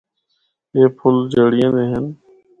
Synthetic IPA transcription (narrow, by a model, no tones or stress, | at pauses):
eːpʰʊld͡ʒəɽɪjẽːd̪eːɦən